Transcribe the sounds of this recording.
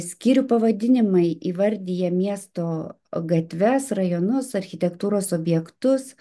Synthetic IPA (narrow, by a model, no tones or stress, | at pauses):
sʲkʲiːɾʲʊpɐʋɐd̪ʲɪnʲɪmɐɪiːʋɐɾʲd̪ʲɪjɛmʲiɛst̪oː | ɡɐt̪ʲʋʲɛsɾɐjoːnʊsɐɾʲxʲɪt̪ʲɛkt̪uːɾoːsoːbʲjɛkt̪ʊs